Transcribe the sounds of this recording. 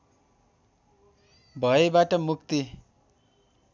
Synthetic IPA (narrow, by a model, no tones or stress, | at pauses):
bʱʌebaʈʌmuk̚t̪i